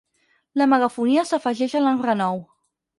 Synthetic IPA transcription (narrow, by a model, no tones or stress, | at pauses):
ləməɣəfuniəsəfəʒɛʃəlanrənɔw